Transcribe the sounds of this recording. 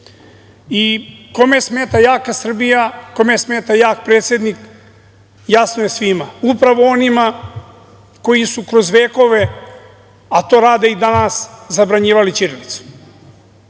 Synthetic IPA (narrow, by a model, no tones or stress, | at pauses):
iko̞mesme̞ːt̪ajaːkasr̩bijako̞mesme̞ːt̪ajaːkpɾet̪sʲjed̪nik | jasnoje̞sʋimaupɾaʋo̞o̞nima | ko̞jisukɾo̞zʋeːko̞ʋe̞ | at̪o̞ːɾaːd̪eid̪anaszabɾaɲiːʋalit͡ʃiɾlit̪su̥